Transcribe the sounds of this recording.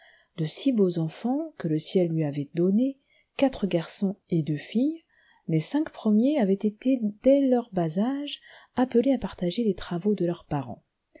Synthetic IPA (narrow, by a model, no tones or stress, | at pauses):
d̪əsibozɑ̃fɑ̃kələsjɛlːɥiavɛd̪ɔne | kat̪χəɡʲaʁsɔ̃ed̪øfij | lesɛ̃kpχəmjeavɛt̪et̪ed̪ɛlœʁbazaʒapəleapaʁt̪aʒelet̪χavod̪əlœʁpaʁɑ̰̃